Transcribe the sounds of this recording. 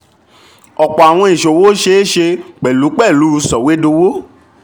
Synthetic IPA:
ɔ˨k͡pɔ˨a˨w̃ɔ̃˧i˨ʃo˨wo˦ʃe˧˦ʃe˧k͡pɛ˨lu˨˦k͡pɛ˦˨lu˨˦˧sɔ˨we˦do˧wo˦

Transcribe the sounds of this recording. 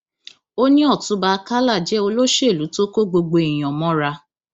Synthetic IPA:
o˦nĩ˦ɔ˦˨tũ˧˦ba˧ka˦la˦˨d͡ʒɛ˨˦o˧lo˦ʃe˦˨lu˨˦to˦ko˦ɡ͡bo˧ɡ͡bo˧i˨j̃ɔ̃˨mɔ̃˨˦ɾa˧

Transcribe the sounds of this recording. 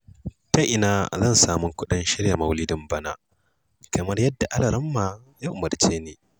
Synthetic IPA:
tɐ˦ʔɪ˨naː˦zɐ˦˨nsaː˨mʊ˦ŋkʷʊ˦ɗɪ˦nʃɪ˦ɽja˨mɐ˦wliː˦dʊ˦mbɐ˦naː˦ | kɐ˨mɐ˦rjɐ˦dːa˨ʔa˦lɐ˨ɾɐ˦mːaː˨ | ja˦ʔʊ˨mɐ˨rt͡ʃeː˦neː˨

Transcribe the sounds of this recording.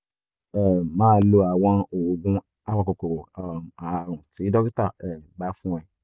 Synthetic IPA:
ɛ˦˨mãː˦lo˧a˨w̃ɔ̃˧o˨o˨ɡũ˦ | a˦wã˧ko˨ko˨a˨ɾ̃ũ˨ti˨˦dɔ˦ki˦ta˦˨ɛ˨ɡ͡ba˨˦fũ˦ɛ̃˦˨

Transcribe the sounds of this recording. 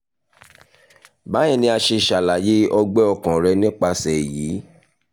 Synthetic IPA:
bã˨˦ɛ̃˦˨nĩ˧a˧ʃe˧˨ʃa˨la˨je˦ɔ˧ɡ͡bɛ˦ɔ˧˨kã˨ɾɛ˧nĩ˦k͡pa˧sɛ˨jiː˨˦

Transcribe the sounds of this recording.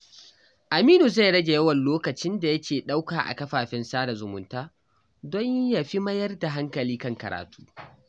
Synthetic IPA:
ʔa˨miː˦nu˨za˦˨jɽɐ˦ɡʲe˨jɐ˦wɐ˨nloː˦kɐ˨t͡ʃɪ˦nda˨jɐ˦kʲʰeː˨ɗa˦wkaː˨ʔa̰˨kɐ˦ɸaː˨ɸɪ˦nsaː˦da˨zʊ˨mʊ̰˨ntaː˦ | dɔ˦ɲ˦ja˨ɸi˦mɐ˦jɐ˦rda˨ɦa˦ŋkɐ˨liː˦kɐ˦˨ŋkɐ̰˨ɾa̰ː˨tʰu̥ː˦

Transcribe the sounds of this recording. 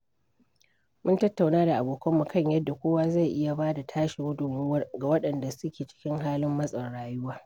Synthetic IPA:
mʊ˦ntɐ˦tːa˨wnaː˦da˨ʔa˨boː˨kʰɐ˦mːu˨kɐ˦ɲjɐ˦dːa˨kʷoː˦waː˦za˦˨jʔɪ˦ja˨baː˦da˨tʰaː˦ʃi˨hʊ˦dʊ˨m˦ɡa˨wɐ˦ɗɐ˨nda˨sʊ˦kʲeː˨t͡ʃɪ̥˦kʲɪ˦ŋɦaː˦lɪ˦mːɐ˦sʼɐ˨rɽaː˦jʊ˦waː˦

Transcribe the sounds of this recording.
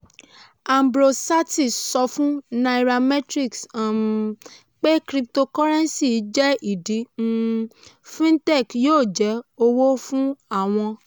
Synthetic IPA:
a˧mbɾo˧sa˦ti˦˨sɔ˧fũ˦na˧i˨ɾa˧mɛ˦tɾi˦˨ksa˨ | k͡pe˦kɾi˧p̚to˧kɔ˦ɾɛ̃˦nsi˦˨˦d͡ʒɛ˦i˨di˨˦ũ˦ | fĩ˦ntɛ˦˨kjoː˦˨d͡ʒɛ˨˦o˧wo˦fũ˦a˦˨w̃ɔ̃˧

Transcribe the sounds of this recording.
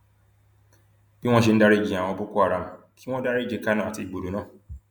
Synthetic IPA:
bi˦w̃ʷɔ̃˦ʃ̬i˦n̩˦da˦ɾi˦˨ɡi˨a˨w̃ɔ̃˨˦bu˦ku˦a˨ɾa˨m̩˨ | kʰi˦w̃ɔ̃˦da˦ɾi˦d͡ʒe˨˦ka˦nɔ̃˨a˨ti˦˨ɡ͡bo˨do˨nɔ̃˦˨

